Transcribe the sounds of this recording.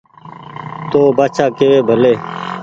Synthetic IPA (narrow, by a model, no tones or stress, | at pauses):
t̪oːbaːt͡ʃʰaːkeːeːbʱəleː